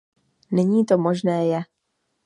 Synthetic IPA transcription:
nɛɲiːt̪omoʒnɛːjɛ

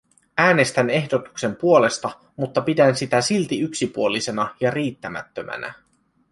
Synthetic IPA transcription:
æːne̞st̪æne̞hdo̞t̪u̥kse̞mpuole̞st̪ɑ | mut̪ːɑpidænsit̪æsilt̪iyksipuolise̞nɑjɑriːt̪ːæmæ̰t̪ːømæ̰næ̰

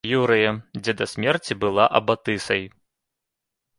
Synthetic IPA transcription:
juɾɨjɐd͡zʲɛd̪ɐsʲmʲɛrt͡sʲibɨlˠaʔɐ̰bat̪ɨsɐj

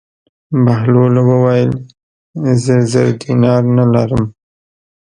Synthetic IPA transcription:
bahlolawəwɑjəl | zəzaɾd̪inɑɾnalaɾəm

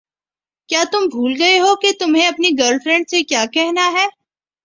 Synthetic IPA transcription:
kjaːt̪ʊmbʱuːlɡɐeɦoket̪ʊmɦẽɐpniɡəɾlfɾɛ̃ɳɖsekjaːkɛɦnaɦɛː

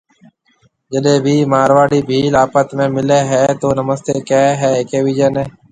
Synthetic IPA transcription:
d͡ʒəɗẽːbʱiːmaːɾʋaːɽiːbʱiːlaːpət̪mẽːmɪleːɦɛːt̪oːnəməst̪eːkeːɦɛːɦɪkeːʋiːd͡ʒəneː

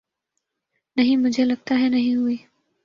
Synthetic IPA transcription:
nɐɦĩmʊd͡ʒʱelɐɡ̚t̪aɦɛnɐɦĩɦuiː

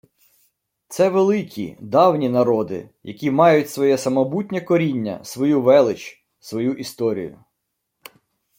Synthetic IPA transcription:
t̪sɛʋelˠɪkʲʰḭd̪ɑwnʲinɐɾɔd̪ɪ̰jɐkʲimɑjʊtʲsʋɔjɛsɐmɔbutʲnʲɛkɔɾʲinʲːɐ̰sʋɔjuʋɛlˠɪt͡ʃ | sʋɔjuʔist̪ɔɾʲḭjʊ̰

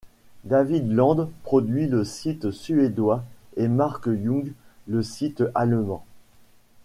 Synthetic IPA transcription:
d̪avid̪lɑ̃d̪pχɔd̪ɥiləsit̪syed̪waemaʁkjɔ̃ɡləsit̪almɑ̰̃

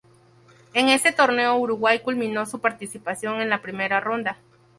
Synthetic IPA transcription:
eŋe̞se̞t̪o̞ɾne̞ouɾuɣwajkulmĩno̞supaɾt̪isipasjo̞ŋe̞nlapɾime̞ɾaro̞nd̪a

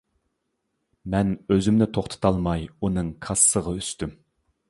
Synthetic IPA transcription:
mɛnøzymnɪt̪ʰoχt̪ʰə̥t̪ʰɑlˠmɑjunɨŋkʰɑsːəʁɑyst̪ym

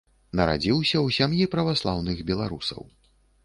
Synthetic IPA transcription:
nɐɾa̰d͡zʲiwsʲɐwsʲamjipɾɐvaslˠawnɨɣbʲɛlˠaɾusɐ̰w

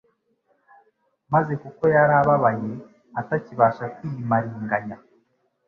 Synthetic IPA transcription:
maze̞kuko̞jaɾaβaβaje̞ | ataciβaːʃakwijimaɾiːŋɡaɲa

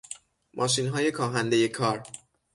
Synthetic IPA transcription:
mʔɒːʃinɦɒːje̞kʰɒːɦænd̪e̞je̞kʰɒːɾ

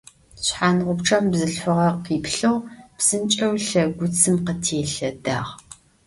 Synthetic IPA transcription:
ɕħaːnʁʷʊpʈ͡ʂʰɐmbzɨɬħʷʊʁɐqiːpɬɨwb̥sɨnt͡ʃʼɐwɬɐɡʷʊt͡sʰɨmqətʰeːɬɐda̰ːʁ

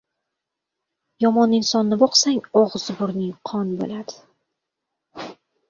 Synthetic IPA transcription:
jɒmɒnːɪŋsɒnːɪbɒqsaŋɒʁz̥bʊɾnɪŋqʰɒnbo̰lad̪̥ɪ

